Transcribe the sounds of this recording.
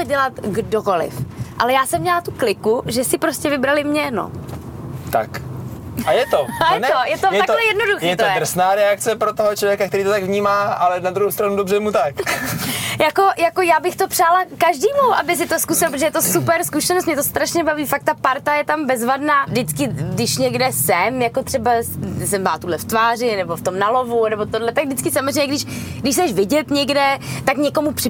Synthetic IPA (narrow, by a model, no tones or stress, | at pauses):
t͡sɛɟɛlat̪ɡdokolɪ̰fʔa̰lɛjaːsɛmːɲɛlat̪uklɪkuʒɛsɪpɾoscɛvɪbɾalɪmɲɛno̰ | t̪a̰k | ajɛt̪ojɛnojɛt̪ojɛat̪lɛjɛdnoduxjɛt̪or̩snaːɾɛakt͡sɛpɾot̪oɦot͡ʃlovjɛkakt̪ɛɾiːt̪ot̪aɡvɲiːmaːalɛnad̪ɾuhɦowst̪ɾanudobrɛmut̪ak | jako̞jako̞jaːbɪxt̪o̞pr̥aːlakaʒdiːmuʔabɪs̬ɪt̪oskusɪlapɾt̪ʒɛjɛt̪osupɛɾskuʃɛnost̪mɲɛt̪ost̪ɾaʃɲɛbaviːfak̚t̪apaɾt̪ajɛt̪ambɛzvadnaːdɪt͡skɪɡdɪʃɲɛɡdɛsɛmjakot̪r̝̥ɛbassɛmaːt̪uɦlɛft̪vaːr̝ɪnɛboft̪o̞mnalo̞vunɛbot̪odlɛt̪aɡ̚dɪt͡skɪsamozrejɲɛɡdɪʃɡdɪʃsɛʃvɪɟɛt̪ɲɛɡdɛt̪akɲɛko̞mupr̝̥ɪ